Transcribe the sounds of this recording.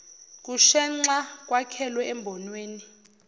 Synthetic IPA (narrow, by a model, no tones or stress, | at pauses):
k̬ʼuʃɛŋ͡ǀak̬ʼwakʰɛlwɛɛmbʱɔnweːni